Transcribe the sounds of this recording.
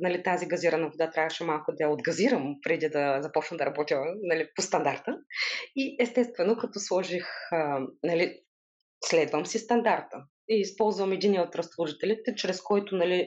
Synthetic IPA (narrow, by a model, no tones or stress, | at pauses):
nɐlit̪aziɡɐziɾɐnɐvod̪at̪ɾʲavəʃɛmalˠkʊd̪ɐjɐod̪ɡɐziɾəmpɾɛd̪id̪ɐzɐpɔt͡ʃnɐmd̪ɐɾɐbɔt̪ʲimnɐlipost̪ɐnd̪aɾt̪əiɛst̪ɛst̪vɛnokɐt̪ɔslˠɔʒix | nɐli | slɛd̪vəmsist̪ɐnd̪aɾt̪ə | iːspɔlˠzvɐmɛd̪iniəot̪ɾɐslˠuʒit̪ɛlʲit̪ɛt͡ʃɾɛskɔjt̪ʊnɐli